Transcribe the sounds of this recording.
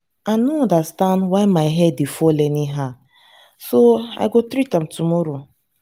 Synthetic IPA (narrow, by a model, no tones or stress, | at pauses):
anoɔ̃ndastãndwaɪmaɪɦɛdːifɔlɛniɦa | soa̰jɡotɾitãmtumɔɾo